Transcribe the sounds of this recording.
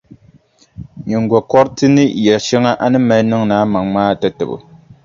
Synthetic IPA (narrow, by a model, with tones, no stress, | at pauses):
ɲɛ˨ŋɡɔ˨kɔ˦ɾtɨ˦nɨ˦jɛ˨ʃɛ˦ŋa˦ʔa˦nɨ˦mɛ˦lnɨ˦ŋnaː˨˦ma˨ŋmaː˦˨tɛ˦tɨ̰˨bɨ̰˨